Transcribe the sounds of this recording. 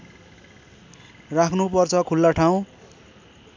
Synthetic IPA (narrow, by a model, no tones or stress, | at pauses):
rakʰnupʌrt͡sʰʌkʰulːaʈʰaw̃